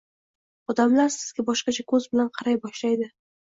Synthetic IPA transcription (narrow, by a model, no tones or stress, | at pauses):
ɒd̪amlaɾsɪ̥z̥ɡʲabɒʃqɑt͡ʃʰakʰɵzbɪlanqʰɑɾajbɒʃlajd̪ɪ